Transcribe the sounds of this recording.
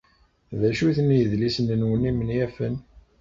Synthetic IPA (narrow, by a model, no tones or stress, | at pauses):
ðæʃuθənijəðlisənənwənimənjæfən